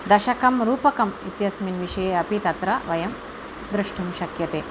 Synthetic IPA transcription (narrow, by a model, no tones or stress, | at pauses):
d̪ɐʃɐkɐmɾuːpɐkɐmit̪jɐsminʋiʂɐjeɐpit̪ɐt̪ɾɐʋɐjɐm | d̪ɾɨʂʈʰumʃɐkjɐt̪eː